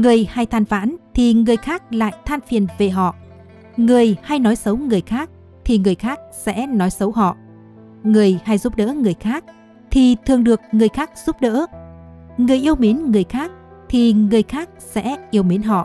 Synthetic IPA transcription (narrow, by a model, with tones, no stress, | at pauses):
ŋɨ˨˩əjha˧jt̪ʰaː˧nfa̰ː˧˥nt̪ʰi˨˩ŋɨ˨˩əjxaː˦˥k̚la̰ː˧˨jt̪ʰaː˧nfi˨˩ənve˨˩ɦɔ̰˧˨ | ŋɨ˨˩əjha˧jnɔ˨˦jsə˨˦wŋɨ˨˩əjxaː˦˥k̚ | t̪ʰi˨˩ŋɨ˨˩əjxaː˦˥k̚sɛ̰˧˥nɔ˨˦jsə˨˦wɦɔ̰˧˨ | ŋɨ˨˩əjha˧jzu˦˥p̚ɗə̰ː˧˥ŋɨ˨˩əjxaː˦˥k̚ | t̪ʰi˨˩t̪ʰɨ˨˩əŋɗɨ˨˩ək̚ŋɨ˨˩əjxaː˦˥k̚z̥u˦˥p̚ɗə̰ː˧˥ | ŋɨ˨˩əjʔi˧əwmi˨˦nŋɨ˨˩əjxaː˦˥k̚t̪ʰi˨˩ŋɨ˨˩əjxaː˦˥k̚sɛ̰˧˥ʔi˧əwmi˨˦nɦɔ̰˧˨ʔ